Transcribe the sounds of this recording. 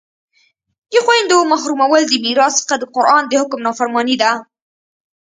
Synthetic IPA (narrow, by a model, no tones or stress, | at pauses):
j̪əxwajnd̪omaxɾumawəld̪əmiɾɑsə̥xad̪əqʊɾʔɑnd̪əhʊkmnɑfaɾmɑnid̪a